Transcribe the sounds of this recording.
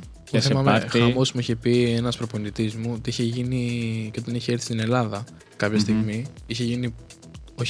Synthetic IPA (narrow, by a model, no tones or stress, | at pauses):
t̪θemɐexɐmo̞zmuiçepie̞nɐspɾo̞ponit̪izmuot̪iiçeʝiniceot̪ɐniçee̞ɾθist̪ine̞lɐðɐ | kɐpçɐst̪iɣmiiçeʝini | o